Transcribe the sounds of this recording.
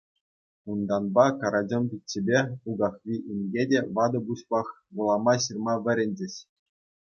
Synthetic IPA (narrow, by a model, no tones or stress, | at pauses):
und̪ɑnbɑkɑɾɑd͡ʑʲŏmpʲit͡ɕːebʲeuɡɑχʋʲiʔinʲɡʲedʲeʋɑd̪ɤ̆buɕpɑχ | ʋulˠɑmɑɕɯrmɑʋʲɘ̆ɾʲɘ̆nʲd͡ʑɘ̆ɕ